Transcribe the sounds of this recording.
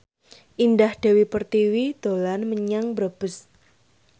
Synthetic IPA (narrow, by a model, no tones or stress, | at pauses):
ʔindahd̥e̤wipərt̪iwid̪̥olanməɲaŋbɾab̥ə̤s